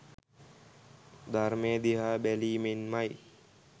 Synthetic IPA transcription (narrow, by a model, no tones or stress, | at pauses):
d̪ʱarmejəd̪iɦaːbæliːmenmaj